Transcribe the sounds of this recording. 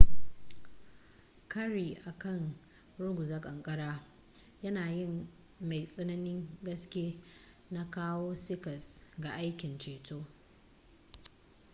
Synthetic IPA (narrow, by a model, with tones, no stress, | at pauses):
kʰɐ˦ɾi˨ʔa˨kɐ˦˨ŋ | ɽʊ˦ɡʷʊ˨za˦kʼɐ˨ŋkʼɐ˦ɽaː˦ | jɐ˦naː˨jɪ˦m | ma˨jsʼɐ˦nɐ˦nɪ˦ŋɡɐ˦skʲeː˦ | na˦kaː˦woː˦sɪ˦kɐ˨sɡa˨ʔa˦jkʲɪ˨nt͡ʃeː˨toː˦